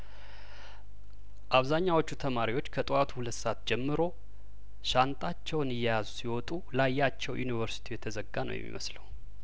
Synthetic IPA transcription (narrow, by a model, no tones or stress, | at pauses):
ʔaβzaɲːawo̞t͡ʃːut̪ʰəmaɾiwo̞t͡ʃːkʰət̪ʼɨat̪ʰuhulət̪ːsat̪d͡ʒɛmːɨɾo̞ | ʃant̪ʼat͡ʃːɛwnɨjːɛjazusiwɔt̪ʼulajːat͡ʃːɛwjṵnivəɾsi̥t̪ʰijɛt̪ʰəzəɡːanə̰wjɛ̰mːḭmə̰sləw